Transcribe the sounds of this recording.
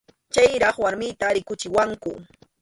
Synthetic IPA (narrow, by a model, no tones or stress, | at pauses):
t͡ʃajɾɑχwaɾmɪt̪aɾɪkʊt͡ʃɪwaŋkʊ